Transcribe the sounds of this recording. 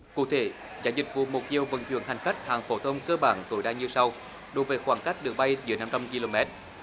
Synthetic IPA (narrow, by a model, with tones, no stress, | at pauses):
kṵ˧˥t̪ʰe˧˦ | za̰ː˧˩zï˨˩k̟̚vṵ˧˨mo˨˩t̚t̪i˧˨əwvə̰˧˩nt͡ɕw̰ənɦa˨˩jŋ̟xa˦˥k̟̚haː˨˩ŋfo˨˦t̪ʰə˧wŋ͡mkəː˧ɓaː˧˩nt̪o˨˧˩jɗaː˧ɲɨ˧sa˧w | ɗo˨˦jvəː˨˦jxwaː˧˩ŋka˦˥k̚ɗɨ˨˩ək̚ɓa˧jzɨ̰˧˦əna˧mt͡ɕa˧mki˧lo˧mɛ˦˥t̚